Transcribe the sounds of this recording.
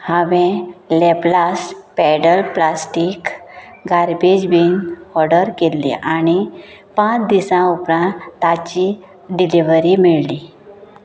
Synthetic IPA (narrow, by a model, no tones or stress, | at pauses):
hãʋɛ̃leplaspɛɽəlplasʈik | ɡaɾbed͡ʑbinɔɾɖəɾkelːḭ̃ʔañipãt͡sd̪isãupɾãnt̪ːat͡ɕi | ɖiliʋəɾimiɭli